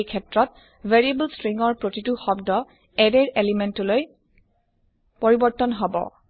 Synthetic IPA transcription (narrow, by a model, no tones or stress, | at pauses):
jkʰɛtɹɔt | vʱeɹiebulstɹiŋɔɹpɹotituxɔbdɔ | ɛdɛɹelimentɔloj | poɹibɔɹtːɔnɦɔbɔ̰